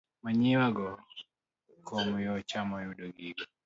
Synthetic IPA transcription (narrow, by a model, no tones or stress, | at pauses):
maɲiwaɡɔ | kʰɔmujɔt͡ʃamɔjudɔɡiɡɔ